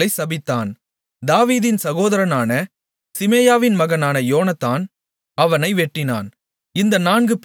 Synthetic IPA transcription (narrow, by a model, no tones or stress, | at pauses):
ɐɪsɐbɪt̪ːaːn | d̪aːʋiːðɪnsɐɣoːðɐɾɐnaːnɐ | sɪmeːjaːʋɪnmɐɣɐnaːnɐjoːnɐt̪ːaːn | ɐʋɐnɐɪʋɛʈːɪna̰ːn | ɪnd̪ɐnaːnɡɯp